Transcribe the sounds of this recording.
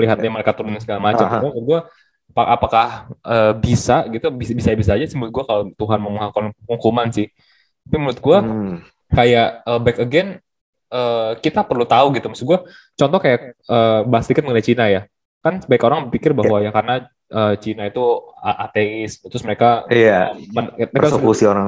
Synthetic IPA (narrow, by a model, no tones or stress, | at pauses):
əliɦat̪ɲaməɾekat̪uɾdnaŋsəɡalamat͡ʃamamʊt̪̚ɡua | paapakahəːbisaɡit̪ubisbisabis̬aːd͡ʒasəbut̪ɡuakalot̪uɦanməmuɦakɔnkuŋkumansɪh | t̪apimulʊt̪̚ɡua | kajaʔəbɛkəɡɛn | əːkit̪apərlut̪auɡit̪umasɪɡua | t͡ʃɔnt̪ɔkajak̚əːbaasədikɪt̪̚məŋənajt͡ʃinaja | kansəbaɪkoɾaŋbərpikɪrbaɦwajakarna | ʔəːt͡ʃinait̪uaʔat̪eɪsmt̪ɾʊsməɾekajamənerkasokusioɾaŋ